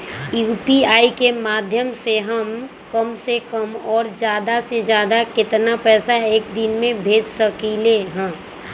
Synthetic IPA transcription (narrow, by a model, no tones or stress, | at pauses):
juːpiaːikemaːd̪ʱjəmseɦəm | kəmsekəmɔːɾd͡ʒjaːd̪ased͡ʒjaːd̪akɪt̪napɛːsaeːkd̪ɪnmẽbʱeːd͡ʒsəkileɦɛ̃ː